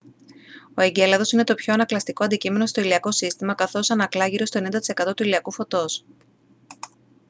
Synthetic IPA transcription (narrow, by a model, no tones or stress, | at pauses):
o̞eɲɟe̞lɐðo̞sine̞t̪o̞pço̞ɐnɐklɐst̪iko̞ɐnd̪icime̞no̞st̪o̞iliɐko̞sist̪imɐkɐθo̞sɐnɐklɐʝiɾo̞st̪ope̞nind̪t̪i̥se̞kɐt̪o̞t̪uiliɐkufo̞t̪o̞s